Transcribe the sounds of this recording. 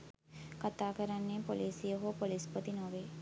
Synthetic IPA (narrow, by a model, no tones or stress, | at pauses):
kat̪aːkəɾanːeːpoliːsijəɦoːpolispot̪inoʋeː